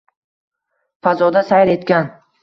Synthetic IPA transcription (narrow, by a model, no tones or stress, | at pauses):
fazɒd̪asajɾe̞t̪kʲan